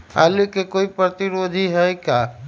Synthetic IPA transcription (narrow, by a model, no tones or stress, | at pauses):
a̰likekoːipɾət̪iɾod̪ʱiɦɛkaː